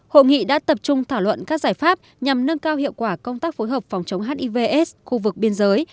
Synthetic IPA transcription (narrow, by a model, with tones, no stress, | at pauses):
ho̰˧˨ŋḭ˧˨ɗa̰ː˧˥t̪ə˨˩p̚t͡ɕʊ˧ŋ͡mt̪ʰaː˧˩wlwə̰˧˨nkaː˦˥k̚zaː˧˩jfaː˦˥p̚ | ɲa˨˩mnə˧nkaː˧whḭ˧˨əwkwaː˧˩kə˧wŋ͡mt̪aː˦˥k̚fo˨˦jɦəː˨˩p̚fa˨˩wŋ͡mt͡ɕə˨˦ŋ͡mɦaː˨˦˥nʔi˧ve˧ʔɛ˦˥sxu˧vɨ˨˩k̚ɓi˧ənzəː˨˦j